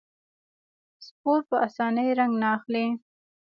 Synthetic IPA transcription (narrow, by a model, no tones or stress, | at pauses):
spoɾpəasɑnəjɾaŋɡnaːxli